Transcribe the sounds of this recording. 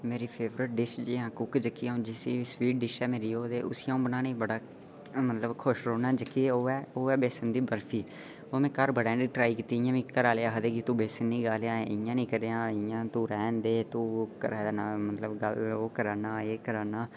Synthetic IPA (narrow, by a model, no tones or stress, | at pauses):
meːɾiːpʰeːʋɾəʈ̚ɖɪʃd͡ʒiːɦãːkʊkd͡ʒəkːiːãõːd͡ʒɪsiːsʋiːʈ̚ɖɪʃɛːmeːɾiːoːd̪eːʔʊ̰sijãːõːbənaːneːbəɽaː | mət̪ləbkʰʊʃɾoːnaːd͡ʒəkːiːoːɛːoːɛːbeːsənd̪iːbəɾfʰiː | oːmɛ̃ːkəɾbəɽɛ̃ːɖ̪iːʈɾaːiːkiːt̪iːɪjãːʋĩːkəɾaːleːaːɦəd̪eːkit̪ũːbeːsənĩːɡaːleːãːɪjãːnĩːkəɾeːãːɪjãːt̪ũːɾɛːnd̪eːt̪ũːkəɾaːd̪ːnaːmət̪ləbɡəloːkəɾaːnaːeːkəɾaːnaː